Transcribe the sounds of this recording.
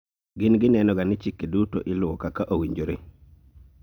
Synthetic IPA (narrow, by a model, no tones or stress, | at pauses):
ɡɪnɡɪnɛnɔɡanɪt͡ʃikeduto̰ʔɪlʊwɔkakaʔowiɲd͡ʒoɾe